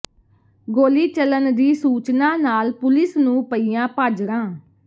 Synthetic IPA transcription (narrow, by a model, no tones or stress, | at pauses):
ɡoːliːt͡ʃələnd̪iːsuːt͡ʃnãːnaːlpʊlɪsnũːpəiːjãːpaːd͡ʒɾãː